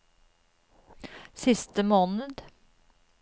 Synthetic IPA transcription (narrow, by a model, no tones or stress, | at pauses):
sɪst̪əmoːnəd̪